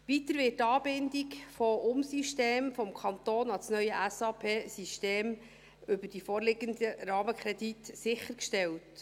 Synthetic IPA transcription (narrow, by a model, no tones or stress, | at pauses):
ʋitəɾʋɪːttːɑːbɪndikfɔʔʊmsiʃteːmfɔmkʰɑnt̪oːnɑlsnœʏəʔæsɑpʰeːsiʃteːm | ʏbəɾd̥ifoːɾlɪɡəndəɾɑːməkʰɾɛditsɪχəɾkʃtɛlt